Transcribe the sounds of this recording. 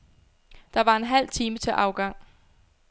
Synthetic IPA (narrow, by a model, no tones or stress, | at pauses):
d̥ɑ̈ʋɑ̈e̝nɦæl̰t͡sʰiːmət͡sʰe̝ʔɑ̈ʊɡ̥ɑ̈ŋ̰